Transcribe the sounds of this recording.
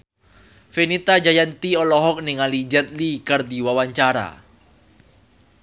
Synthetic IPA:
fenit̪ad͡ʒajant̪iɔlɔɦɔk̚niŋalid͡ʒɛt̪̚likard̪iwawaɲt͡ʃaɾa̰

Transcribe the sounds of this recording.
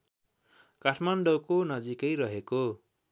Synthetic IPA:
kaʈʰmanɖʌwkonʌd͡zikʌjɾʌɦeko

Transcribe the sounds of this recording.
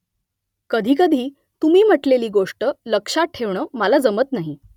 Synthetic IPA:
kəd̪ʱiːkəd̪ʱiː | t̪umiːm̤əʈleliːɡoʂʈələkʂaʈʰeʋɳəːməlad͡zəmət̪naɦi

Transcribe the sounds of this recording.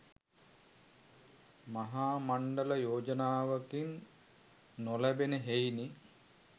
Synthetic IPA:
maɦaːmaɳɖələjoːd͡ʒənaːʋəkinː | olæbenəɦejni

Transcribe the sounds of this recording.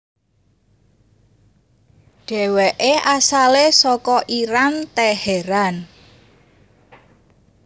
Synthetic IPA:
ɖ̥ɛ̤wɛʔeʔasalesɔkɔʔiɾant̪ɛhɛɾan

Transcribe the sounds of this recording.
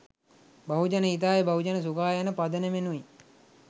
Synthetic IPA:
baɦud͡ʒanəit̪̬aːjəbaɦud͡ʒanəs̬ukaːjanəpad̪ənemenui

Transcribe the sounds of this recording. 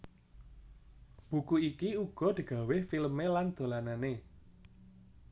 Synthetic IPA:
b̥ṳkuikiuɡ̥ɔ̤d̪̥i̤ɡ̥ä̤wehfilmeland̪̥o̤lanane

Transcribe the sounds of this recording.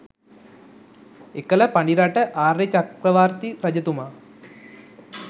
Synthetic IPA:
ekələpaɳɖiɾaʈəʔaːrːet͡ʃakɾəʋaːɾt̪ipɾɐd͡ʒət̪uma

